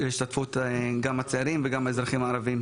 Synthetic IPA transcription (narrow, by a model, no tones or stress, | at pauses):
iʃt̪atfut̪ɡamat͡seaɾimveɡamaezɾaχimaːɾavim